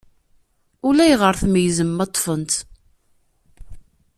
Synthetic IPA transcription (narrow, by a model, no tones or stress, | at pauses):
ʊlæjʁəɾθməjzəmːɑt̪ˤːfənt̪